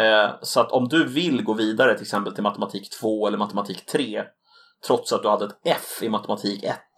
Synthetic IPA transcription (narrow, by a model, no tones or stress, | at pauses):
sɔat̪ʰɔmd̪ɵvɪlɡoːviːd̪aɾət̪ʰɪlɛksɛmpəlt̪ʰɪlmat̪əmat̪ʰiːkt̪ʰv̥oːɛlːəɾmat̪əmat̪ʰiːkt̪ʰɾeː | t̪ʰɾɔt̪sat̪̚d̪ɵhad̪ːəɛt̪ɛfɪmat̪ɛmat̪ʰiːkɛt̪̚ː